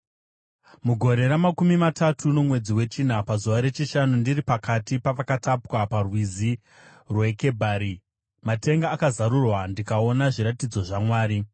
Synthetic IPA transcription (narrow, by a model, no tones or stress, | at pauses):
muɡʱo̞ɾe̞ɾamakumimatatʰuno̞mwe̞d͡ziwe̞t͡ʃin̤apazuʋaɾe̞t͡ʃiʃanundiɾipakatipaʋakatapwaparwizi | rwe̞ke̞bʱaːɾi | mate̞ŋɡaːkazaɾurwandikao̞naʐiɾatid͡zo̞ʐamwaːɾi